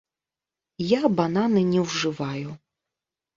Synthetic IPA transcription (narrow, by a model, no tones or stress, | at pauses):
jabananɨnʲɛwʐɨvaju